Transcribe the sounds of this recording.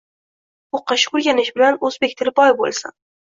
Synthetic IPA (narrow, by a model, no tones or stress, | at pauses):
oqʰːɑʃɪ̥kʊɾɡʲanɪʃbɪlanɵzbekʲt̪ʰɪlɪbɒjbo̰lˠsa̰